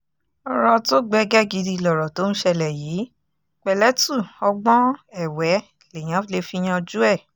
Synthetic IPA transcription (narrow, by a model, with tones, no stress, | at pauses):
ɔ˧ɾɔ˧to˦ɡ͡bɛ˦ɡɛ˦ɡi˨˧di˧˨lɔ˨ɾɔ˨to˦ñ̩˦ʃɛ˧lɛ˨jiː˨˦ | k͡pɛ˨lɛ˦tu˦˨ɔ˧ɡ͡bɔ̃˦ɛ˦˨wɛ˨˦ | le˨j̃ã˨˦le˧fi˦j̃ã˧d͡ʒu˦ɛ˦˨